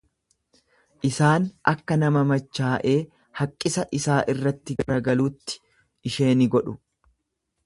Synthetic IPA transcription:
ʔɪsaːnʔɐkːɐnɐmɐmɐt͡ʃːaːʔe̞ː | hɐkʼːɪsɐʔɪsaːʔɪrːɐt̪ːɪɡɐɾɐɡɐluːt̪ːɪ̥ | ɪʃe̞ːnɪɡɔᶑʊ

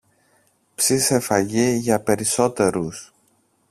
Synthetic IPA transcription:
psise̞fɐʝiʝɐpe̞ɾiso̞t̪e̞ɾus

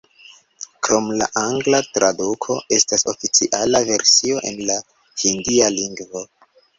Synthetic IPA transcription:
kɾo̞mla̰ʔaŋɡlatɾadukʰo̞e̞staso̞̰fit͡siʔalave̞ɾsio̞ʔe̞̰nla | hindialiŋɡvo̞

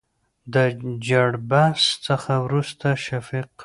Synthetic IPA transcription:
d̪əd͡ʒaɽbast͡səxawɾust̪aʃafiq

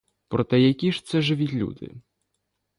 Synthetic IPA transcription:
pɾɔt̪ɛjakʲiʂt̪sɛʐɪʋʲitʲlʲṵd̪ɪ̰

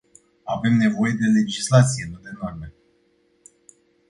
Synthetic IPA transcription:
ave̞mne̞vo̞je̞d̪e̞le̞d͡ʒislat̪sije̞nud̪e̞norme

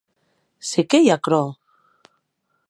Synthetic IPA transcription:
sekejakɾo

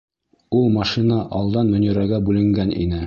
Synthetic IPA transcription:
ulˠmɑʃinɑʔɒlˠd̪ɑnmɵ̆nĭɾæɡæbʉlɘ̆ŋɡænʔḭnɘ

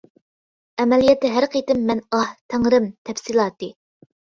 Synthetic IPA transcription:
ɛmɛlijɛt̪ːɛɦæɾqʰejt̪ɪmːɛnɑht̪ʰæŋɾɪmt̪ʰɛfsilˠɑːt̪ɨ

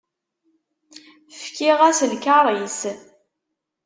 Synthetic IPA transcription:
fkiʁæslkaɾˤis

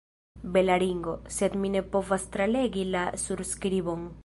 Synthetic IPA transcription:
belaɾiŋɡoset̪minepovast̪ɾaleɡilasuɾskɾiβoŋ

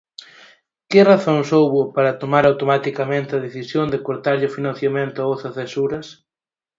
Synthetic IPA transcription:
kɪraθoŋsowβʊpaɾɐt̪omaɾawt̪omat̪ikɐmẽnt̪ɐðeθisjond̪ɪkoɾt̪aɾʎɪʊfinãn̟θjamẽnt̪ʊaoθɐθesuɾɐs

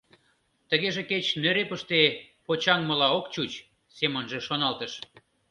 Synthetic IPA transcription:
t̪əɣeʒĕket͡ɕnøɾepəʃt̪epot͡ɕɑŋməlɑokt͡ɕut͡ɕ | semənʒeʃonɑlt̪əʃ

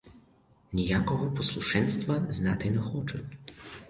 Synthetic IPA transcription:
nʲijakɔɦɔpɔslˠuʂɛnst̪vaznat̪ɪnɛxɔt͡ʂɛ

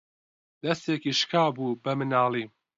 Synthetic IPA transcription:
d̪ɐst̪eːkiʃkʰaːbuːbɐmɨnaːlˠiː

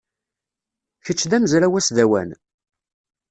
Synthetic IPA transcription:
çət͡sːðæmzɾæwæsðæwæ̰n

